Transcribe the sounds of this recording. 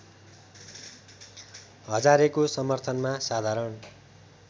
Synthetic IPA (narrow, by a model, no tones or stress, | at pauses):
ɦʌd͡zaɾekosʌmʌrt̪ʰʌnmasad̪ʱaɾʌn